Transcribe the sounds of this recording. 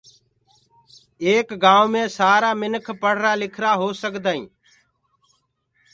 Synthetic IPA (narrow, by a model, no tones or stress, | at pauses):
eːkɡãːʋmẽːsaːɾaːmɪnkʰpəɽ̤ɾaːlɪkʰɾaːɦoːsəkd̪aːḭ̃ː